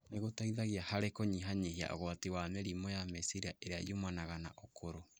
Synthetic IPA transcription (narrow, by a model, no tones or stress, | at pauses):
neɣotaiðaɣiahaɾekoɲiɦaɲihia̰ʔo̰ɣoatiwamɛɾimojamɛsiɾiaʔeɾeaḭomwanaɣana̰ʔokʰoɾo